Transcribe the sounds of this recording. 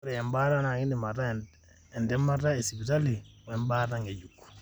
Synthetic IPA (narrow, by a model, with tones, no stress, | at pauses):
ɾɛ˨ɛ˨mba˦ɾa˦na˨ɡi˦ndɛ˨ma˨tːa | ɛ˨ndɛ˦ma˦tːa˦e˨si˨bi˨ta˦li˨wɛ˦mbaɾa˦ŋɡe˨d͡ʒukːu̥˨